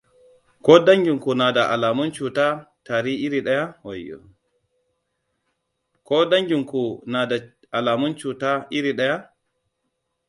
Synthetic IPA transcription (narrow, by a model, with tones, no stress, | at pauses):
kɔː˦da˦ŋɡi˨ŋku˨na˨da˨ʔa̰˨laː˨mu˦nt͡ʃu˨ta˦taː˨ɾi˦i˦ɾiɗa˦ja˦wa˨jːɔ̰ | kɔː˦da˦ŋɡiŋku˨na˨da˨ | ʔa˨laː˨mu˦nt͡ʃu˨ta˦ʔi˦ɾi˨ɗa˦ja˦